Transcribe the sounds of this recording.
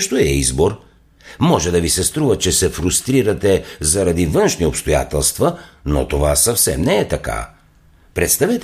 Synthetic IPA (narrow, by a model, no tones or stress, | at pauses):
ʃt̪oɛizboɾ | mɔʒɛd̪ɐvisɛst̪ɾuvət͡ʃɛsɛfɾust̪ɾiɾɐt̪ɛzɐɾɐd̪ivənʃniopst̪oja̰t̪ɛlˠst̪vɐno̰t̪ovasɐfsɛmnɛːt̪ɐka̰ | pɾɛt̪st̪avɛt̪